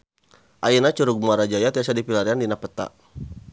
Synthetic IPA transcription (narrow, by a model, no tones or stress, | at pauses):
ʔainat͡ʃuɾuɡ̚maɾad͡ʒajat̪iasadipilaɾiandinapət̪a̰